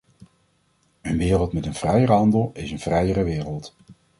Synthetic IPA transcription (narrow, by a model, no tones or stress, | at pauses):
ənʋɪːrəlˠtmɛtənv̥rɛjəɾəɦɑndəlˠɪsənv̥rɛjərəʋɪːrəlˠt